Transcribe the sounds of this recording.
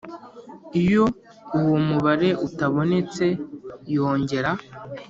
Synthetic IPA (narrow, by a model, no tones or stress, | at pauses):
ijo̞ | uwomuβaɾe̞ʔutaβo̞ne̞t͡se̞jo̞ːɲɟe̞ɾa